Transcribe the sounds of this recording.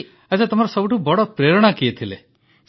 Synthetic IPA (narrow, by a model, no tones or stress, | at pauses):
esʰat̪ɔmaɾɔsɔbuʈubɔɽɔpɾeɾɔɽ̃akiet̪ʰile